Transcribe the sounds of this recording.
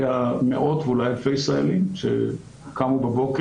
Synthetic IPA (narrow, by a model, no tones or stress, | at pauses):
jamḛʔot̪vulajafejisʁaelimʃḛ | kamubabo̞k